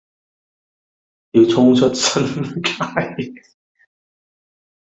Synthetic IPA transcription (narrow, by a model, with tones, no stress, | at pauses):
ji˨˧wt͡sʰʊ˥ŋt͡ʃʰɵ˥t̚sɐ˥nkʰa˥j